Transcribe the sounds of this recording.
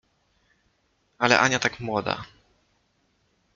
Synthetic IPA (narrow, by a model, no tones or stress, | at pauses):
alɛ̰ʔaɲat̪akmwɔd̪a̰